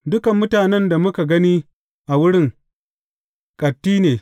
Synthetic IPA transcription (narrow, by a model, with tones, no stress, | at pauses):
dʊ˦kɐ˨mːʊ˦taː˨nɛ˦nda˨mʊ˦ka˨ɡɐ˦niː˦ | ʔa˨wʊ˦ɽɪ˦˨ŋ | kʼɐ˨tːiː˦neː˨